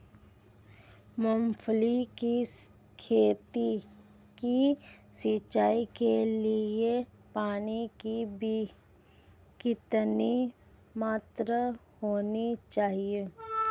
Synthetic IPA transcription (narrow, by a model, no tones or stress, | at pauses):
məmpʰliki | kʰeːt̪i | kisit͡ʃaːikelie | paːnikibʱi | kɪt̪ni | maːt̪ɾa | hoːnit͡ʃaːɦieː